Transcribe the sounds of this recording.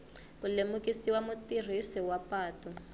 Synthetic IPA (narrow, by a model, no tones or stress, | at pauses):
kulemukisiwamutir̤isiwapaːtɔ